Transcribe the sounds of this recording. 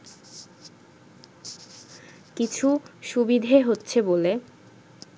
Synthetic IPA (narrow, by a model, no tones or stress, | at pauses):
kit͡ɕʰuʃubid̪ʱeɦotːɕʰebole